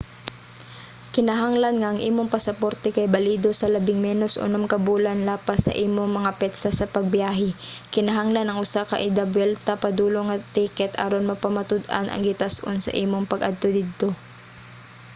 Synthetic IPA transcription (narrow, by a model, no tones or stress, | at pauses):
kɪnɐɦaŋlɐnŋɐʔɐŋʔiːmoŋpɐsɐpoɾt̪ɛkɐjbɐliːd̪o̞sɐlɐbɪŋmɛːnosʔʊ̰nomkɐbuːlanlaːpasːɐ̰ʔiːmoŋmɐŋapɛt̪sasɐpɐɡ̚bjaːɦɛkɪnɐɦaŋlanɐŋʔʊsaka̰ʔɪd̪abwɛlt̪apɐd̪uːloŋɐt̪ikɛt̪ʔa̰ɾonmɐpɐmat̪ʊd̪ʔa̰nʔɐ̰ŋɡɪt̪asʔo̰nsɐ̰ʔiːmoŋpɐɡʔad̪̚t̪o̞d̪ɪd̪̚t̪o̞